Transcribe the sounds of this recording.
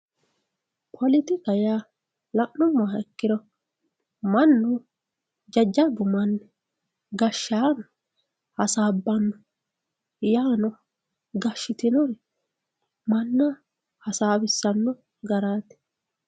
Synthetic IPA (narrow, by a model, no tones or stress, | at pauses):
pʰɔlɪt̪ɪkɐjaː | lɐʔnɔmːaɛkːɪd̪ɔ | mɐnːɔ | d͡ʒɐd͡ʒːɐbʊmɐnː | ɡɐʃːaːn | hɐsaːbːɐnːɔ | jaːnɔ | ɡɐʃːɪt̪ɪnɔɾ | mɐnːa | hɐsaːbɪsːɐnːɔ | ɡɐɾaːt̪ɛ̥